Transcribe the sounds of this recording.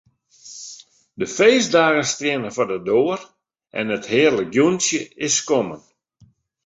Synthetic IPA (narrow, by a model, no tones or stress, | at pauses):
dəfejzdaːɣəstrjɪnəfɔdədoːər | ʔɛ̰nəthɪːərləɡjunsjəɪskomən